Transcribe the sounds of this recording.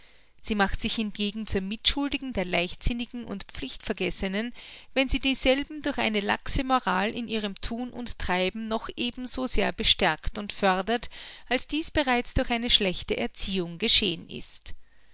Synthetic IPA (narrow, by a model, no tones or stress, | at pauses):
z̥iːmaχtz̥ɪçhɪnɡ̥eːɡŋ̩t͡suːɐmɪtʃʊldɪɡŋ̩deːɐlaɪçtz̥ɪnɪɡŋ̩ʊ̰ntp͡flɪçtfɛɐɡɛsənənvɛnziːdiːzɛlbm̩dʊɐçʔa̰ɪnəla̰ksəmoʁaːlʔɪnʔiːʁ̞əmtʰuːnʔʊntːʁ̥aɪbm̩nɔxʔeːbm̩zoːzeːɐbəʃtɛɐktʊntfœɐdɐtʔalsd̥iːsb̥əʁaɪt͡sd̥ʊɐçʔaɪnəʃlɛçtəʔɛɐt͡siːʊŋɡəʃḛːənɪ̰st